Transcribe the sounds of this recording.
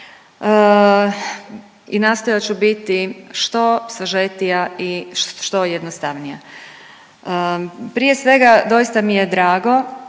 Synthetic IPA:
ə | inaːst̪o̞jat͡ɕubit̪iʃt̪o̞saʒet̪ijaiʃt̪ojed̪nost̪aʋnija | pɾije̞sʋe̞ɡad̪o̞jist̪amije̞d̪ɾaːɡo̞

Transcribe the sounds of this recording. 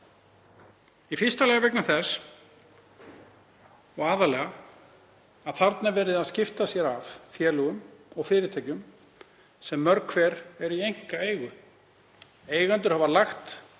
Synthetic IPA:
ifɪrst̪alɛːɣavɛknaθɛs | ɔɣaːðalɛːɣa | aðθaɾt̪navɛːɾɪðaðscɪft̪asjɛɾaffjɛːlʏɣʏmɔɣfɪːɾɪɾt̪ʰɛːcʏm | sɛmːœɾkʰvɛːɾɛɾiejŋ̥kaeːjɣʏ | eːjɣant̪ʏɾ̥havalaxt̪

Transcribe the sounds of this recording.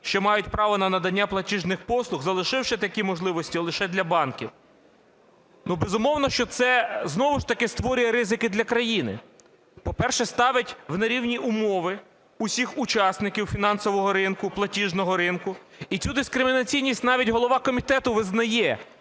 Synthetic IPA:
ʃt͡ʃɔmɑjʊtʲpɾɑʋɔnɐnɐd̪ɐnʲːaplˠɐtʲiʒnɪxpɔslˠʊxzɐlˠɪʃɪwʃɪt̪ɐkʲimɔʒlˠɪʋɔsʲtʲilˠɪʃɛd̪lʲɐbɑnkʲiw | nubɛzʊmɔwnɔʃt͡ʃɔt̪sɛznɔʋʊʃt̪ɐkɪst̪ʋɔɾʲʊjɛɾɪzɪkɪd̪lʲɐkɾɐjinɪ̰ | pɔpɛrʃɛst̪ɑʋʲɐtʲwnɐɾʲiwnʲiʔʊmɔʋɪ | ʊsʲixʊt͡ʃɑsnɪkʲiwfʲinɑnsɔʋɔɦɔɾɪnkʊplˠɐtʲiʒnɔɦɔɾɪnkʊ | itt͡sʲud̪ɪskɾɪmʲinɐt͡sʲijnʲisʲtʲnɑʋʲitʲɦɔlˠɔʋɑkɔmʲit̪ɛt̪ʊʋɪznɐjɛ

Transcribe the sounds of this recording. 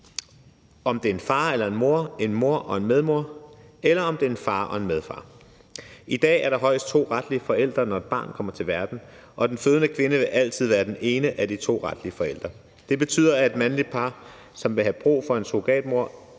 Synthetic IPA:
ɒ̽md̥e̝ɐe̝nfɑ̈ːelɐe̝nmo̝ɐ̰e̝nmo̝ɐ̰ʔɒ̽e̝nmeð̞ˠmo̝ɐ̰elɐɒ̽md̥e̝ɐe̝nfɑ̈ːʔɒ̽e̝nmeð̞ˠfɑ̰̈ː | id̥ɛ̰ːæɐɾ̥ɑ̈ɦɒ̽ɪsd̥̚t͡sʰo̝̰ːʁɑd̥liəfɒ̽el̰d̥ʁɐnɒe̝d̥̚b̥ɑ̰̈ːnkʰɒ̽m̰ɐt͡sʰe̝lʋæɐd̥n̩ | ʔɒ̽d̥enføːð̞ˠnəkʰʋe̝nəʋe̝ʔæl̰t͡sʰið̞̰ˠʋæːɐd̥ene̝ːnəʔæd̥it͡sʰo̝̰ːʁɑd̥liəfɒ̽el̰d̥ʁɐ | d̥e̝b̥e̝t͡sʰy̰ːð̰ˠɐæe̝d̥mænlid̥̚pʰɑ̈ː | sɒ̽mʋe̝ɦæb̥ʁṵːfɒ̽e̝nso̝ɡ̥ɛ̰ːd̥mo̝ɐ̰

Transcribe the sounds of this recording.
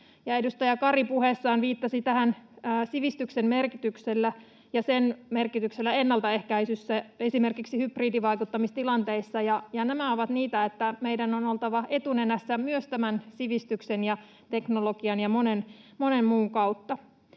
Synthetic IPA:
jɑedust̪ɑjɑkɑripuhesːɑːnʋiːt̪ːɑsit̪æhænːsiʋist̪yksemmerkit̪ykselːæ | jɑsenmerkit̪ykselːæenːɑlt̪ɑe̞hkæisysːæesimerkiksihypriːdiʋɑikut̪ːɑmist̪ilɑnt̪eisːɑjɑjɑnæmæoʋɑt̪niːt̪æet̪ːæmeidænono̞lt̪ɑʋɑʔe̞t̪unenæsːæmyøst̪æmænsiʋist̪yksenjɑ | t̪e̞knolokiɑnjɑmonen | mone̞mmuːkɑut̪ːɑ

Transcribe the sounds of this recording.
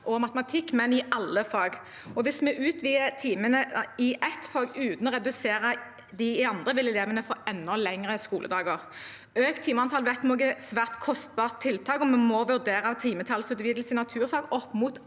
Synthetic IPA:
ʔɔmɑt̪mɑt̪ʰɪkːmɛnɪʔɑlːəfɑːɡ | ɔʋɪsmɛʔʉːt̪ʋiːət̪ʰiːmənəɪʔɛt̪fɑːɡʉːt̪nɔʁɛd̪ʉseːʁə | d̪ɪɪɑnd̪ʁəʋɪlɛleːʋənəfɔɛnːɔlɛŋʁəskuːlə̰d̪ɑːɡoːʁ | øːkt̪ʰiːməɑnt̪ʰɑlʋɛt̪nuːɡəsʋæːʁt̪kʰɔst̪̚bɑːʁt̪ʰːɪlt̪ʰɑːkɔmɛmɔʋʉʁd̪eːʁɑt̪ʰiːmət̪ʰɑlsʉd̪ʋiːd̪l̩sɪnɑt̪ʰʉːʁfɑːɡɔpːmuːt̪

